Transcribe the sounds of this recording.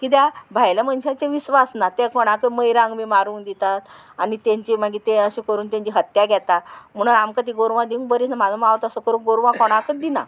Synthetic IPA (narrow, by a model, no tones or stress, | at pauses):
kit̪̬jabʱajlamənɕat͡ɕẽʋiɕʋasnat̪ɛkɔɽ̃akəməjɾãŋɡʋimaɾũːŋkd̪it̪at̪ | anit̪ãɲt͡ɕim̤aɡit̪eəɕĩkəɾuːnt̪ãɲt͡ɕiɦət̪jaɡʱɛt̪am̤əɽ̃unamkat̪̬iɡoɾʋãd̪iũŋ̚bəɾit͡snamad͡zamaʋt̪əsəkəɾũːɡoɾʋãkɔɽ̃akəd̪ina̰